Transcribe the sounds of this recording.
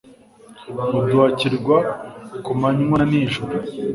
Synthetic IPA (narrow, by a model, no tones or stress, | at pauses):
mubjuwaciɾɡwakumaɲuŋwaniʒuɾu